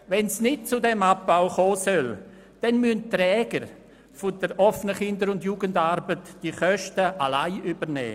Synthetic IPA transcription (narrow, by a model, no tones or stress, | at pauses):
ʋɛnsnɪt̚t͡sʊdɛmap̚b̥aʊχoːsœl | d̥ɛnmyəntrɛːɡəɾ | fʊdəɾʔɔfənəχɪndəɾʊndjuːɡəndaɾbətd̥iχœʃtəʔalaɪʔybəɾnɛ̰ː